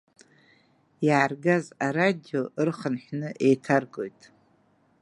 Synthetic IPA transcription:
jaːrɡazaɾadio̞ʔɨrχənħʷᶣnɨʔe̞jtʰarɡʼo̞jtʼ

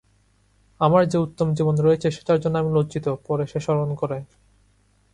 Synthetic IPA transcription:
amaɾd͡ʑeut̪ːomd͡ʑibonɾoet͡ɕʰeʃe̥ʈaɾd͡ʑonːamilod͡ʑit̪opɔɾeʃeʃɔɾonkoɾe

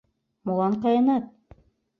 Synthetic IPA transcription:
molˠɑɴqɑjɑnɑt̪̚

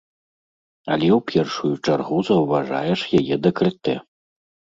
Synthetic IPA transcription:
ɐ̰lʲɛwpʲʰɛrʂujut͡ʂarɣuzɐwvaʐa̰jɛʂjajɛd̪ɐkɾɨt̪ɛ

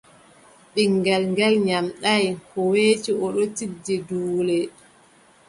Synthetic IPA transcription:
ɓiŋɡɛlŋɡɛlɲamɗajhɔweːt͡ʃiɔɗɔtidːiduːlɛ

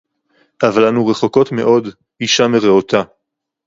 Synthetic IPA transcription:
ʔavalanuʁe̞χo̞ko̞tme̞̰ʔo̞d | iʃameʁeot̪a

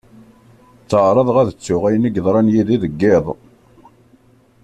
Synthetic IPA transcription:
t͡sːəʕɾˤɑðˤʁæðət͡sːʊʁæjənəɡðˤɾˤɑnjiðiðəɡːɪðˤ

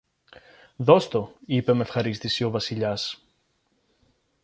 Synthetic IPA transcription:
ðo̞st̪o̞ipe̞me̞fxɐɾist̪isio̞vɐsiʎɐs

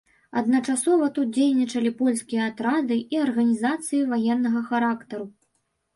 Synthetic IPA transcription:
ɐ̰d̪nɐt͡ʂasɔvɐt̪ut̪̚d͡zʲejnʲit͡ʂɐlʲipɔlʲskʲijɐat̪ɾad̪ɨʔiɐrɣɐnʲizat̪sɨjivajɛnːɐɣɐxaɾakt̪ɐɾu

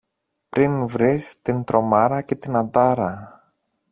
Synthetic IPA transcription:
pɾinvɾist̪int̪ɾʔo̞mɐɾɐce̞t̪inɐd̪ɐɾɐ

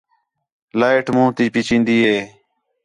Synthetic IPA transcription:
laːɪʈmũːt̪iːpiːt͡ʃĩːnd̪iːɦeː

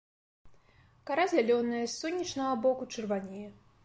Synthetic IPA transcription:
kaɾazʲalʲɔnɨjɐsʲːɔnʲːɐt͡ʂnɐɣɐbɔkut͡ʂɨrvanʲijɛ

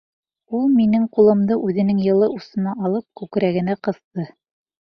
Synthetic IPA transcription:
ulˠminɘŋqulˠɤ̆md̪ɤʔʉðɘ̆nɘŋjɤ̆lˠɤʔusɤ̆nɑʔɑlˠɤp̚kʉkɾæɡɘ̆næqɤ̆θt̪ɤ

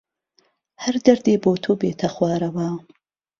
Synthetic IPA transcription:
hɐɾd̪ɐɾd̪eːboːt̪ʰoːbeːt̪ʰɐxwaːɾɐwa

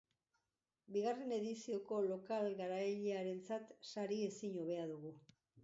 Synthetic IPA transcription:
biɣare̞ne̞ðisio̞ko̞lo̞kalɡaɾajʎeaɾe̞nt͡sat̪saɾie̞siɲo̞β̞e̞aðuɣu

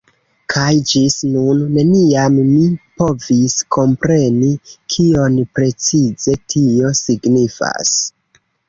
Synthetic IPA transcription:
kʰajd͡ʒisnunːe̞niammipo̞visko̞mpɾe̞nikʰio̞npɾe̞t͡size̞tʰio̞siɡnifa̰s

